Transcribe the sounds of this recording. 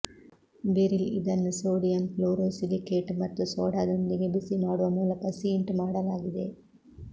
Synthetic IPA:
beɾilḭd̪ɐnːusoːɽijɐmploːɾoːsilikeːʈmɐt̪ːusoːɽaːd̪ond̪iɡebisimaːɽuʋɐmuːlɐkɐsijɐɳʈmaːɽɐlaːɡid̪e̞

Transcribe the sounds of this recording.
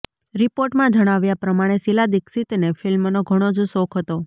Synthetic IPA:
ɾipoɾʈmãd͡ʒəɽ̃aʋjapɾəmaɽ̃esilad̪iksit̪nefilmnoɡʱəɽ̃od͡ʒosokʰɦət̪o

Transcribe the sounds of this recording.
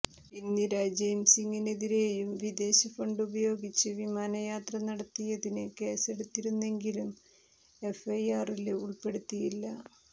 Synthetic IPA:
inːiɾad͡ʑejmsiŋːine̞ðiɾeːjumʋid̪e̞ːɕɐfɐɳɖubɐjo̞ːɡit͡ɕːɨʋimaːnɐjaːt̪rɐnɐɽɐt̪ːijɐðinɨke̞ːse̞ɽut̪ːiɾunːe̞ŋɡilum | e̞fɐjaːriluɭpe̞ɽut̪ːijilːɐ

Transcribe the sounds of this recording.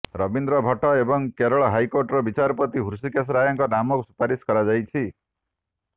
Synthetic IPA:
ɾɔbind̪ɾɔbʱɔʈɔebɔŋkeɾɔɭɔɦajkoɾʈɾɔbit͡ʃaɾɔpɔt̪iɦuɾsikes̬ɾajɔŋkɔnamɔkusu̥paɾiskɔɾad͡ʒajt͡ʃʰi

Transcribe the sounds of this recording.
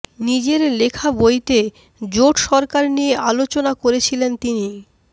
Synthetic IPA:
nid͡ʑeɾlekʰabojt̪e | d͡ʑoʈʃɔɾkaɾnijeʔalot͡ɕonakoɾet͡ɕʰilent̪ini

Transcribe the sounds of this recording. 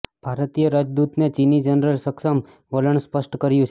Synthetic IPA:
b̥ʱaɾt̪ijəɾad͡ʒd̪ut̪net͡ʃinid͡ʒənɾəlsəksəm | ʋələɳspəʃʈkəɾjũt͡ʃʰ

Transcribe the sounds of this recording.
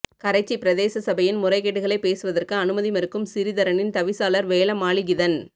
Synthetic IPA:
kɐɾɐɪt͡ʃːipɪɾɐðeːsɐsɐbɐjɪnmʊrɐɪkːeʈːɯɣɐɭɐɪpːeːsɯʋɐðɐrkɯɐnɯmɐðimɛɾɯkːɯmsɪɾɪðɐɾɐnɪnt̪ɐʋɪsaːlɐɾʋeːlɐmaːɭɪɡɪðɐn

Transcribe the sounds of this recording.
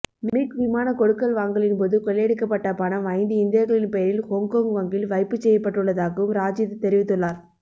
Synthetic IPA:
miʈʋɪmaːnɐkɔɽɯkːɐlʋaːŋɡɐɭɪnpoːðɯkɔɭːeːɽɯkːɐpːɐʈːɐpanɐʋɐɪnd̪ɯɪnd̪ɪjɐɣɐɭɪnpɛjɐɾɪlhɔŋkoːŋɡʋɐŋɡɪlʋɐɪpːɯt͡ʃːɛjːɐpːɐʈːɯɭːɐðaːɣɐʋɯmɾaːd͡ʒɪðɯt̪ːɛɾɪʋɪt̪ːɯɭːaːɾ

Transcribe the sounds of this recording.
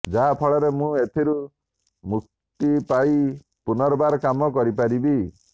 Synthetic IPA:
d͡ʒaɦapʰɔɭɔɾemũet̪ʰiɾu | muk̚ | t̪ipai | punɔɾɔbaɾɔkamɔkɔɾipaɾibi

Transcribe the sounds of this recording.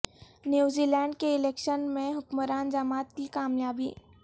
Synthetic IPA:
njuːzilɛ̃ːɳɖkeɪleːkʃənmẽɦʊkməɾaːnd͡ʒamaːt̪̚kikaːmjaːbḭː

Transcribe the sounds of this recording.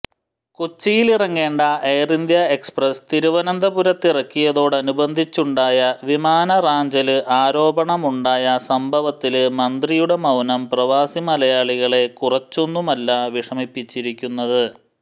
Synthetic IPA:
kut͡ɕːijilirɐŋːe̞ːɳɖɐejrind̪jɐe̞ksprɐst̪iɾuʋɐnɐnd̪ʱɐbuɾɐt̪ːirɐkːijɐðo̞ːɽɐnubɐnd̪ʱit͡ɕːuɳɖaːjɐʋimaːnɐraːɲd͡ʑɐlɨʔaːɾo̞ːbɐɳɐmuɳɖaːjɐsɐmbʱɐʋɐt̪ːilɨmɐnd̪rijuɽe̞mɐwnɐmprɐʋaːsimɐlɐjaːɭiɣɐɭe̞kurɐt͡ɕːo̞nːumɐlːaʋiʂɐmipːit͡ɕːiɾikʲːunːɐðɨ

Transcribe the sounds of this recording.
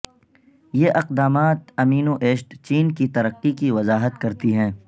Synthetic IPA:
jeʔɐqd̪aːmaːt̪ɐmiːnoʔeːʃʈt͡ʃiːnkit̪ɐɾəqːikiʋɐzaːɦət̪kɐɾt̪iɦɛ̃ː

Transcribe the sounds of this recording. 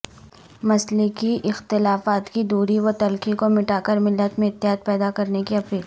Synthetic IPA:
mɐslɪkiʔɪxt̪ɪlaːfaːt̪kid̪uːɾiʋot̪ɐlkikomɪʈaːkəɾmɪlːət̪mẽɪt̪ːɪɦaːt̪̚pɛːd̪akɐɾnekiɐpiːl

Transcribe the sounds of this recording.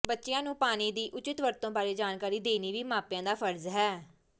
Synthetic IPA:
bətːʃɪjãːnũːpaːniːd̪iːʔʊt͡ʃɪt̪ʋəɾt̪õːbaːɾeːd͡ʒaːnkaːɾiːd̪eːniːʋiːmãːpjãːd̪aːpʰəɾzɦɛː

